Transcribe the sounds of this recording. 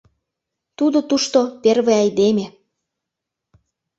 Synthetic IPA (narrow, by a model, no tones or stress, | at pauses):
t̪ud̪ot̪uʃt̪operβeɑjd̪emʲe